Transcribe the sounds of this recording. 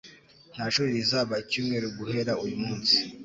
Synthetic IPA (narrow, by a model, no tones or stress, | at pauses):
n̥aʃoβiɾizaːβacuːmŋe̞ːɾoɡuhe̞ɾaujumuːnsi̥